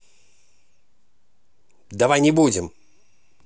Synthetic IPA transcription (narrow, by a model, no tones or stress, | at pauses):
d̪avajnʲɪbud͡zʲɪm